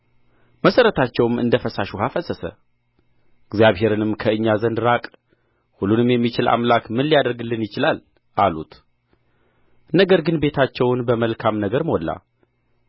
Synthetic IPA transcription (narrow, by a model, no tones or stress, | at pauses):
məsəɾət̪ʰat͡ʃːɛwmɨ̰nd̪əfəsaʃuhafəsəsə̰ | ɨɡzjaβɦe̞ɾɨnɨmkʰəɨɲːazənd̪ɾakʼ | hulːunɨmjɛmːit͡ʃɪlʔa̰mlakmɨnlijad̪əɾɡɨlːɨnjɪt͡ʃɪlal | ʔalut̪ | nəɡəɾɡɨnbe̞t̪ʰat͡ʃːɛwnbəməlkʰamnəɡəɾməɔlːa̰